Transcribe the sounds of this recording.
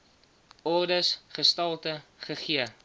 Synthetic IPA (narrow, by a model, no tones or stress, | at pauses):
ɔrdəsχəstɐlˠtəχəχiə